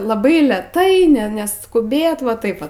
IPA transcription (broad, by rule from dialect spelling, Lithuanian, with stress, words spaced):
lˠɐˈbɐɪ lʲɛˈtɐɪ ˈnʲɛ nʲɛskʊˈbʲeːt ʋɐ ˈtɐɪp ʋɐ